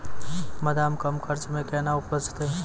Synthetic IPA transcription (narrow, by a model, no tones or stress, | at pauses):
mɐd̪aːmkɐmkʰɐɾt͡ʃmẽkɛːnaʊpəst͡ʃt̪e